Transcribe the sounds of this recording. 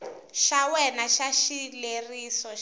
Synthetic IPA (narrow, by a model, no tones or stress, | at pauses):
ʃawɛnaʃaʃileriːsɔ